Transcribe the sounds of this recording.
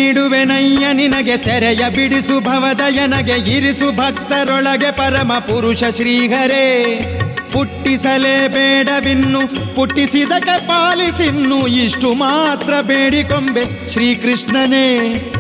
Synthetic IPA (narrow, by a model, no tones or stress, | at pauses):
niɽuʋenɐjːɐninɐɡesɛɾɛjɐbiɽisubʱɐʋɐd̪ɐjɐnɐɡeiɾisubʱɐk̚t̪ɐɾɔɭɐɡepɐɾɐmɐpuɾuʂɐʃɾiːɡɐɾeː | puʈːisɐleːbeːɽɐʋinːupuʈːisid̪ɐkːepaːlisinːuiʂʈumaːt̪ɾɐbeːɽikombe | ʃɾiːkɾiʂɳɐneː